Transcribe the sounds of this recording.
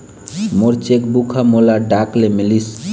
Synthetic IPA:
moɾt͡ʃekbukʰamolaɖaklemilis

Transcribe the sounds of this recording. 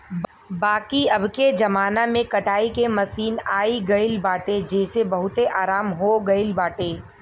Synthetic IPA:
baːkiɐbked͡ʒɐmaːnamẽkɐʈʰaːikemɐsiːnaːiɡɐɪlbaːʈed͡ʒeːsebɐɦʊt̪eʔaːɾaːmɦoɡɐɪlbaːʈeː

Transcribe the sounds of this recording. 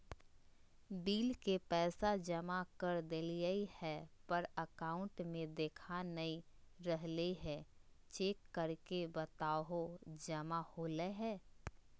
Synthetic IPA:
biːlkepɛːsad͡ʒəmakəɾd̪ɪlijəihɛpəɾəkaːʊ̃ɳʈmẽd̪eːkʰanəiɾəɦleɦɛ̃ː | t͡ʃeːkːəɾkebət̪aːɦod͡ʒɐmahoːleɦɛː

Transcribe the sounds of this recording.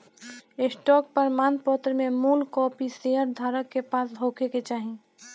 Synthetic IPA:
ɪsʈɔːk̚pəɾmaːnpɔt̪ɾəmẽmuːlkɔːpiseɦəɾd̪ʱaːɾəkːepaːsɦoːkʰeket͡ʃaːɦi

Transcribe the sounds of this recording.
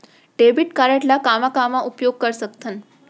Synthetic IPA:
ɖebiʈkaɾaʈlakamakamaʔupjoɡ̚kəɾsəkt̪ʰən

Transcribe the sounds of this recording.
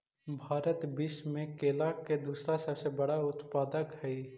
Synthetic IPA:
bʱaːɾət̪bɪʃmẽkeːlakːed̪uːsɾasəbsebəɽaʊt̪paːd̪əkɦɛi

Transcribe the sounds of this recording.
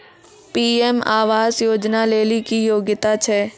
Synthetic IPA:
piːɛmaːʋaːzjoːd͡ʒnaleːlikijoːɡɪt̪at͡ʃʰɛː

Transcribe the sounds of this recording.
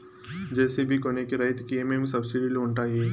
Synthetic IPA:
d͡ʒɛːsebʱikoːnekeɾɐːɪt̪kiemẽm̃sɐbsɪɖiloːɳʈaːieː

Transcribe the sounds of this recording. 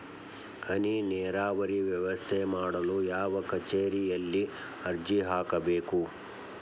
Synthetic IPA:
hɐninɛːɾaːʋɐɾiʋjɛʋɐst̪ʰemaːɽɐlujaːʋɐkɐt͡ʃeːɾijɐlːi | ɐɾd͡ʒiɦaːkɐbeːku

